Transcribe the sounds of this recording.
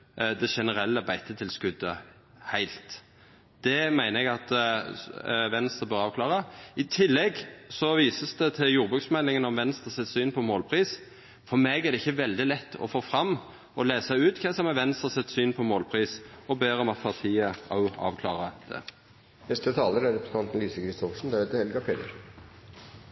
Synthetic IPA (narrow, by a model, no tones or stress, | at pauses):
d̪ɛʃɛnəɾɛlːəbæɪt̪ʰət̪ʰɪlskʉd̪ːə | hæɪlt̪ | d̪̥ɛmæɪnəɛɡɑt̪ | ʋɛnst̪ʁəbœʁɑːʋkʰlɑːʁəɪt̪ʰɪlːɛɡsɔʋiːsəsd̪ɛt̪ʰɪljuːʁbʉːksmɛlːɪŋənɔmʋɛnst̪ʁəsɛt̪syːnpʰɔmoːlpʰʁiːs | fɔɾmeɡæɾd̪ɛɪçːəʋɛld̪ɪlɛt̪ːɔ̰foːfʁɑm | ɔleːsəʉːt̪kʰɛsɔmɛʋɛnst̪ʁəsɛt̪syːnpʰɔmoːlpʰʁiːsɔbeːɾɔmɑt̪̚pʰɑʁt̪ʰiːəʔɑʊɑ̰ːʋkʰlɑ̰ːʁəd̪̥ɛ̰ | nɛst̪ət̪ʰɑːləɾæɾɛpɾsn̩ɑnt̪n̩lyːsəkɾɪst̪ɔfʂn̩d̪ɑheːt̪əɛlɡɑpʰeːd̪əɾ